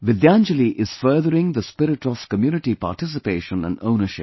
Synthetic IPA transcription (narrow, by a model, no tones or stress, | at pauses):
ʋɪd̪æ̃nd͡ʒəliʔɪz̥fəːd̪əɾɪ̃ŋd̪əspɪɾɪʈɔʋ̥kəmjuːnɪʈipa̰ːʈɪsɪpeːʃə̃næ̰̃nɖõ̰ʊnəʃɪp